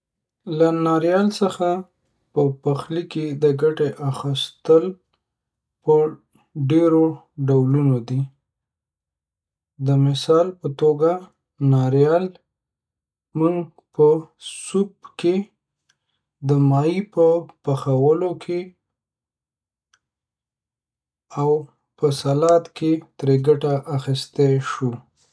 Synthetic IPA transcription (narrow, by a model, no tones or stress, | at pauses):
lanɑɾjɑlsəxa | pəpaxliked̪əɡaʈeʔaxist̪əl | pə | ɖeɾo | ɖawlunod̪i | d̪əmɪsɑlpət̪oɡa | nɑɾjɑl | muŋɡ | pəsubke | d̪əmɑipəpaxawəlokʰe | aw | pəsalɑt̪ket̪ɾeɡaʈaʔaxist̪eʃu